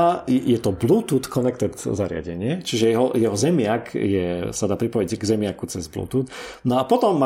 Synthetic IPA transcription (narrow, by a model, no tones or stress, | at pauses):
aɛjɛt̪ɔbluːt̪ut̪kʰɔnɛk̚t̪ɛt̪zaɾɪa̰ɟɛɲɪɛt͡ʃiʒɛjɛɦɔ̰jɛɦɔzɛmɪakjɛsad̪aːpɾipɔjiɟɡzɛmɪakut͡sɛzblṵːt̪ut̪nɔapɔt̪ɔmːa